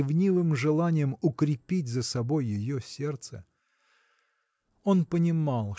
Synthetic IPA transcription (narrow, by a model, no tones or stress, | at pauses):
ɪvnʲivɨmʐɨlˠanʲɪjəmʊkɾʲɪpʲitʲzəsɐbo̞jːɪjosʲe̞rt̪sə̰ | o̞npənʲɪmɑlˠ